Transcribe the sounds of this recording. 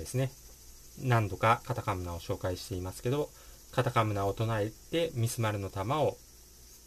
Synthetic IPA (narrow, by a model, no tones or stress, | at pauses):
d̪e̞sɨne | nãnd̪o̞kakat̪akamɯ̟nao̞ɕo̞ːkaiɕi̥t̪e̞imasɨ̥ke̞d̪o̞ | kat̪akamɯ̟naot̪o̞nae̞t̪e̞mʲisɨmaɾɯ̟no̞t̪amao̞